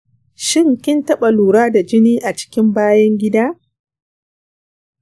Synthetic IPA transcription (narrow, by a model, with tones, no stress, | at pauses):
ʃɪ˦ŋkʲɪ˦ntɐ˦ɓa˨luː˨ɽaː˦da˨d͡ʒɪ˦niː˦ʔa˨t͡ʃɪ̥˦kʲɪ˦mbaː˦jɐ˦ŋɡʲɪ˦daː˦